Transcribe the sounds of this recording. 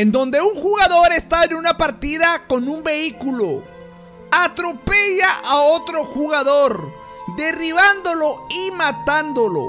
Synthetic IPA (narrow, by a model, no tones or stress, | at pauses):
end̪o̞nd̪e̞uŋxuɣaðo̞ɾe̞st̪aenunapaɾt̪iðako̞numbe̞ikulo | at̪ɾo̞pe̞ʝaʔao̞t̪ɾo̞xuɣaðo̞ɾ | d̪e̞riβand̪o̞lo̞imat̪and̪o̞lo̞̰